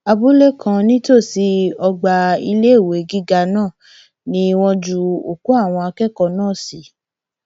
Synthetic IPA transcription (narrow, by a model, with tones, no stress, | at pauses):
a˧bu˦le˦kʰã˧nĩ˦to˦˨si˧ɔ˧ɡ͡ba˧i˧le˦˨we˨˦ɡi˦ɡa˧nãː˦˨ | nĩ˦˧wɔ̃˧d͡ʒu˧o˨ku˦a˦˨w̃ɔ̃˧a˧kɛ˦kɔ˧nãː˦˨si˨˦